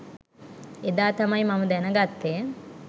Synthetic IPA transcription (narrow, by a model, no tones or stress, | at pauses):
ed̪aːt̪amɐjmaməd̪ænəɡat̪ːe